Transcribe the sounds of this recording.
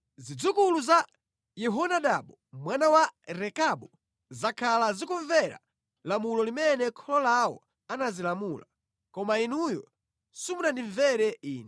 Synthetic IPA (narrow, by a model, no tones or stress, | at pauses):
zid͡zukuluza | jɛɦɔnaɗaɓɔmwanawaɾɛkaɓɔ | zakʰalazikuɱvɛɾa̰ | lamulɔlimɛnɛkʰɔlɔlawɔ̰ | anazilamula | kɔmainujɔ̰ | sumunandiɱvɛɾɛiːnɛ